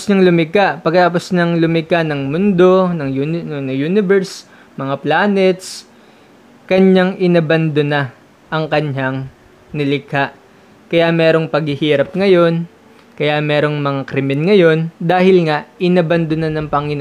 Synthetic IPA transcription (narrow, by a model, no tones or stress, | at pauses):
snɐŋlʊmɪkaʔpɐɡkːɐt̪aːpo̞snɐŋlʊmɪkanɐŋmʊnd̪o̞nɐŋjunɐŋjuːnɪvɛɾs | mɐŋaplaːnɛt̪s | kɐɲaŋʔɪnɐbɐnd̪onɐ | ʔɐŋkɐɲaŋ | nɪlɪkaʔ | kɐjamɛːɾo̞ŋpɐɡhɪhiːɾɐp̚ŋɐjo̞n | kɐjamɛːɾo̞ŋmɐŋakɾɪmɛnŋɐjo̞nd̪aːhɪlŋaʔʔɪnɐbɐnd̪onɐnɐŋpɐŋɪn